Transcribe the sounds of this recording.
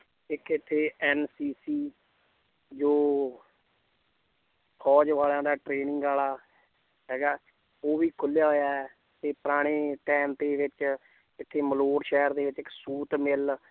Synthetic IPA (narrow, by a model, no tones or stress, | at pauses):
ɪkɪt̪ʰːeːɛːnsiːsiː | d͡ʒoː | pʰɔːd͡ʒʋaːlãːd̪aːʈɾeːnɪŋɡaːlaː | ɦɛːɡaː | oːʋiːkʰʊljaːɦoːjaːɛ | t̪eːpəɾaːɽ̃eːʈɛːmt̪eːʋɪt͡ʃ | ɪt̪ʰːeːməloːɽʃɛːɾd̪eːʋɪt͡ʃɪksuːt̪mɪl